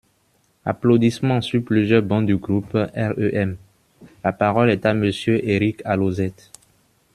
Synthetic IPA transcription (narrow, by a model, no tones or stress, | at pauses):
a̰plod̪ismɑ̃syplyzjœʁbɑ̃d̪yɡʁupɛʁøʔɛm | lapaʁɔlɛt̪aməsjøʔeʁikalozɛt̪